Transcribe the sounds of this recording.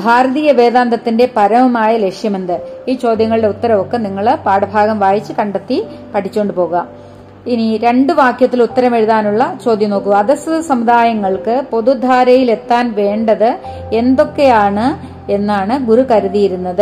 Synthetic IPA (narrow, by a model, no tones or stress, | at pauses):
bʱaːɾɐðiːjɐʋe̞ːðaːnd̪ɐt̪ːinde̞pɐɾɐmumaːjɐle̞kʂjɐmend̪ɨiːt͡ɕo̞ːd̪jɐŋːɐɭiɽe̞ut̪ːɐɾɐmo̞kːe̞niŋːɐɭpaːɽɐbʱaːɡɐmʋaːjit͡ɕːɨkɐɳɖɐt̪ːipɐʈʰit͡ɕːoːɳɖɨpo̞ːuɣɐ | iniɾe̞ɳɖɨʋaːkjɐt̪ːilut̪ːɐɾɐme̞ɻuðaːnuɭːɐt͡ɕo̞ːd̪jɐmnoːkːuɐðɐsuðɐsɐmud̪aːjɐŋːɐɭkɨpo̞ðud̪ʱaːɾɐjile̞t̪ːaːnʋe̞ːɳɖɐðɨ | e̞nd̪o̞kːe̞jaːɳɨ | e̞nːaːɳɨɡuɾukɐɾuðijiɾunːɐðɨ